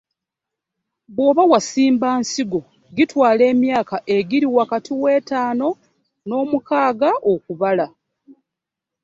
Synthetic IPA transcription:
βwo̞ːβawasiːmbaːnsiɡo̞ | ɡitwaːle̞ːmjaːkaʔe̞ɡiɾiwakatʰiwe̞ːtaːno̞ | no̞ːmukaːɡaʔokuβala

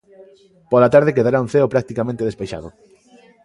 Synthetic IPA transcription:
polat̪aɾðekeðaɾaũnθeopɾak̚t̪ikamẽnt̪eðespeʃa̰ðʊ

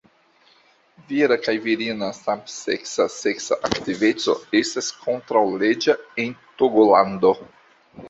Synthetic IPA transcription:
viɾakajviɾinasampsḛksaseksa̰ʔaktivet͡so̞̰est̪askʰont̪ɾawled͡ʒaent̪oɡoland̪o

